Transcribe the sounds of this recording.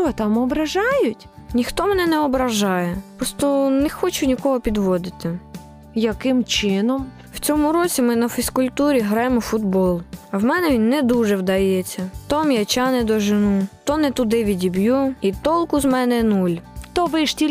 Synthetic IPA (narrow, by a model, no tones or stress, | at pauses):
ɔt̪ɑmɔbɾɐʒɑjʊtʲ | nʲixt̪ɔmɛnɛnɛɔbɾɐʒɑjɛpɾɔst̪ɔnɛxɔt͡ʃʊnʲikɔɦɔpʲid̪ʋɔd̪ɪt̪ɪ | jɐkɪmt͡ʃɪnɔm | w̥t͡sʲɔmʊɾɔt͡sʲimɪnɐfʲiskʊlʲt̪uɾʲiɦɾɑjemɔfʊd̪bɔlˠɐwmɛnɛʋʲinːɛd̪uʒɛwd̪ɐjɛt͡sʲːɐt̪ɔmjat͡ʃɑnɪd̪ɔʒɪnut̪ɔnɛt̪ʊd̪ɪʋʲidʲibʲjuit̪ɔlˠkʊzmɛnɛnulʲt̪ɔʋɪʃtʲilʲ